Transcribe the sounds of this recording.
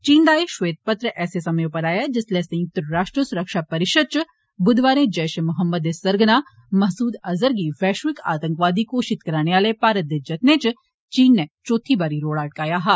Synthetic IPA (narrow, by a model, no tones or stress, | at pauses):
t͡ʃiːnd̪aːeʃʋeːt̪̚pət̪ɾəʔɛːsesɐməjõpɐɾaːjad͡ʒɪslesɐ̃jʊk̚t̪əɾəɾaːʃʈɾəsʊɾəkʃapɐɾɪʃəd̪̚t͡ʃ | bʊd̪ʋaːɾẽd͡ʒɐːʃmʊɦəmːəd̪esɐɾɡnaː | mɐɦsuːd̪ɐzəɾɡiʋɛːʃʋɪka̰ːt̪ə̃ŋkʋaːd̪ikoʃɪt̪kɐɾaːneʋaːlepaːɾət̪ːed͡ʒɐt̪neːt͡ʃ | t͡ʃiːnːet͡ʃoːt̪ʰibaːɾiɾoːɽaːʈ̚kaːjaɦa